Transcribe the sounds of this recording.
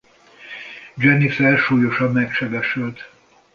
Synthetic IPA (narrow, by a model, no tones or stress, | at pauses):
d͡ʒɛnifɛlʃuːjo̞ʃɒmːɛkʃɛbɛʃylt̪